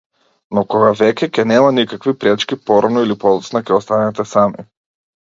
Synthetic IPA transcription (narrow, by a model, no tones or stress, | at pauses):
nɔkɔɡavɛkʲɛkʲɛnɛmanikakvipɾɛt͡ʃkʲipɔɾanɔilipɔlˠɔsnakɛɔst̪anɛt̪ɛsamḭ